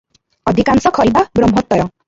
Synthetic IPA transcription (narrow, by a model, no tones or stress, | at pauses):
ɔd̪ʱikansɔkʰɔlbabɾɔmɦɔt̪ːɔɾɔ